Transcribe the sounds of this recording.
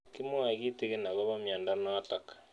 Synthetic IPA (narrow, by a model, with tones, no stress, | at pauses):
ki˦mo˦a˨ɣi˦te˦ɣe˦na˨ɣɔ˦βa˦mjaː˨nda˦nɔ˦tɔ˨kḁ